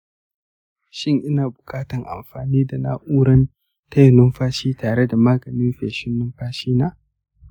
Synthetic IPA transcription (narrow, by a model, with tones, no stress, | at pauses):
ʃɪ˦ŋʔɪ˦naː˨bʊ˨kʼaː˦tɐ˨ŋʔa̰˨mɸaː˨niː˦da˨na̰ː˦ʔuː˦ɾɐ˦n | tɐ˦jnʊ˦mɸaː˦ʃiː˦taː˨ɾe˦da˨maː˦ɡɐ˨nɪ˦mɸeː˨ʃɪ˦nːʊ˦mɸaː˦ʃiː˦naː˦